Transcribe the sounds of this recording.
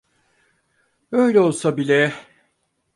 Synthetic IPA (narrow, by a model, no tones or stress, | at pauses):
øjlʲɛo̞lˠsabilʲɛ